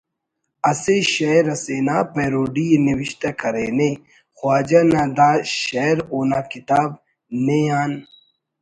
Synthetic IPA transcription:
ɐseɕɐjɾɐseːnapeɾoːɖiniwiɕt̪ɐkɐɾene | xwaːd͡ʑanad̪aːɕɐjɾoːnakit̪aːb̚ | nejaːn

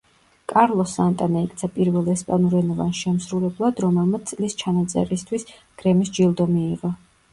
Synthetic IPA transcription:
kʼaɾlˠɔsːant̪ʼanaikʰʼt̪sʰapʼiɾvɛlˠɛspʼanuɾɛnɔvanʃɛmsɾulɛblˠad̪ɾɔmɛlˠmat̪sʼlist͡ʃʰanat̪sʼɛ̰ɾist̪ʰwis | ɡ̥ɾɛmisd͡ʒilˠd̪ɔmiːʁɔ

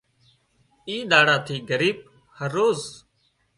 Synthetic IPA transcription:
iːɗ̪aːɽaːt̪ʰiːɡəɾiːb̚ | həɾːoːz

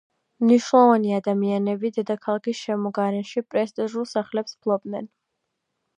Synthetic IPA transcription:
mniʃnlˠɔvaniad̪amianɛbid̪ɛd̪akʰalˠakʰisʃɛmɔɡaɾɛnʃipʼɾɛst̪ʼiʒulˠsaχlɛpspʰlˠɔb̚nɛn

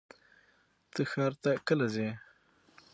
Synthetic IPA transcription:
t̪əxɑːɾt̪akəlaze

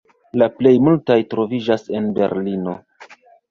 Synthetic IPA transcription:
laple̞jmultajtɾo̞vid͡ʒase̞nbe̞̰ɾlino̞̰

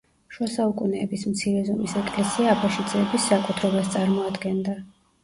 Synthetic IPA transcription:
ʃwasaukʼunɛːbismt̪sʰiɾɛzɔmisɛkʼlɛsiaːpʰaʃid̪zʼɛːbisːakʼut̪ʰɾɛbast̪sʼaɾmɔad̪ɡɛnd̪a

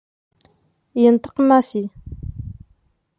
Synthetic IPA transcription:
jənt̪ə̥qəmːasi

